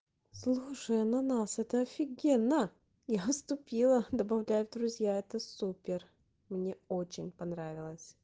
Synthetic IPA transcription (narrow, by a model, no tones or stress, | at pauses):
slˠuʂəjənɐnasɛt̪əɐfʲɪɡʲenːə | jaəst̪ʊpʲilˠəd̪əbɐvlʲæjʊd̪ɾʊzʲjaɛt̪əsupʲɪr | mnʲeot͡ɕɪnʲpɐnɾavʲɪlˠəsʲ